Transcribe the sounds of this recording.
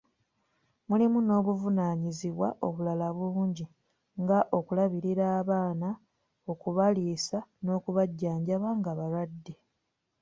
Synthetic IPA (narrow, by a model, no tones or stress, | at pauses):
mulimuno̞ːβuvunaːɲiziβwaʔo̞βulalaβuːɲɟi | ŋɡaʔo̞kulaβiɾiɾaːβaːna | o̞kuβaliːsano̞ːkuβaɟːaːɲɟaβaŋɡaβaɾwadːe